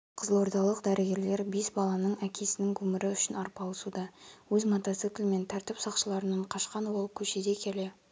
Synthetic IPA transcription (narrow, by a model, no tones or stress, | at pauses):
qʰəzəlˠo̞ɾd̪ɑlˠəqd̪æɾʔɪɡʲe̞ɾle̞ɾbe̞sbɑlˠɑnəɴækʲʰe̞sɪnɪŋkʰɵmɪɾɪʏʃɪnɑɾpɑlˠəsud̪ɑwɵzmot̪ɑt̪sɨt̪ɪlme̞nt̪ʰæɾt̪ɪpsɑqʃəlˠɑɾənɑɴqʰɑʃqɑnbo̞lˠəp̚kʲʰɵʃe̞d̪e̞kʲʰe̞le̞